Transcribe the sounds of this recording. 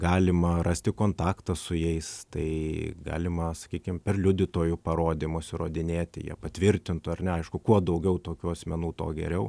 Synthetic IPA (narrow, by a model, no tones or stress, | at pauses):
ɡɑːlʲɪmɐrɑːsʲt̪ʲɪkoːnt̪ɑːkt̪ɐsʊjɛɪst̪ɐɪɡɑ̰ːlʲɪmɐsɐ̥kʲiːkʲɪmpʲɛrlʲʊd̪ʲɪt̪oːjʊpɐɾoːd̪ʲiːmoːsʲɪɾoːd̪ʲɪnʲeːt̪ʲɪ̰jḭɛpɐt̪ʲʋʲɪɾʲt̪ʲɪnt̪ʊːɐrnʲɛɐɪʃkʊkuɔd̪ɐʊɡʲɛʊt̪oːkʲuɐsʲmʲɛnuːt̪o̰ːɡʲɛ̰ɾʲɛʊ